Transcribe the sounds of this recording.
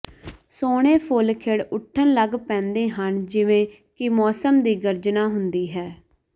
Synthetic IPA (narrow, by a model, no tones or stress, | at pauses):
soːɽ̃eːpʰolkʰeːɽʊʈʰːənləɡpɛ̃ːnd̪eːɦənd͡ʒɪʋẽː | kɪmɔːsəmd̪iːɡəɾd͡ʒnaːɦʊnd̪iːɦɛː